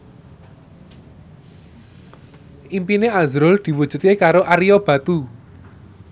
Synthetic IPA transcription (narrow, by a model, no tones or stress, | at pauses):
ʔimpineazɾʊld̪̥i̤wud̥ʒ̥ṳt̪̚kekaɾoʔaɾijɔb̥ä̤t̪u